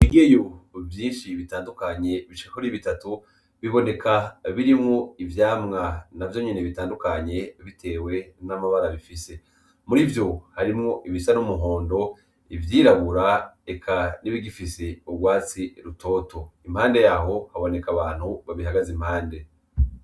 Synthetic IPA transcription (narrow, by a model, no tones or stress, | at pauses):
iɡejovjiːnʃiβitaːndukaɲe̞βit͡ʃi̥kakoɾiβitatu | βiβo̞ne̞kʰaβiɾimŋo̞ivjaːmŋanavjo̞ɲine̞βitaːndukaɲe̞βitʰe̞ːwe̞namaβaɾaβifise̞ | muɾivjo̞haɾimŋo̞ʔiβisanumuɦo̞ːndo̞ | ivjiːɾaβuɾaekʰaniβiɡifise̞ubɡwaːt͡siɾuto̞ːto̞imhaːnde̞jaːɦo̞haβo̞ne̞kaβaːn̥huβaβihaɡazimhaːnde̞